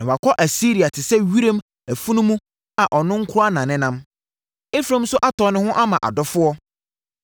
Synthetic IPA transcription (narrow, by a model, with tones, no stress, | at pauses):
nã˨wa˨kʰɔ˦ʔæ˨si˦ɾi˨a˨tʰɪ˨sɛ˦ɥi˦ɾẽ˦m | æ˨fu˦nũ˦mũ˦ | a˨ʔɔ˨nʊ̃˦ŋ̩˦kʰʊ˦ɾa˦nã˨nɪ̃˦nã˦m | e˦fɾẽ˦m̩ũ˦sʊ˦ʔa˦tɔ˨˦nɪ̃˦hʊ̃˦ʔa˦mã˨ʔa̰˨dɔ˦fʊ˦ɔ˦